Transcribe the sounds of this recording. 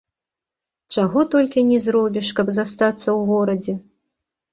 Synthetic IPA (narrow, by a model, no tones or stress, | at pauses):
t͡ʂaɣɔt̪ɔlʲkʲinʲɛzɾɔbʲiʂkɐbzast̪at̪sːɐwɣɔɾɐd͡zʲɛ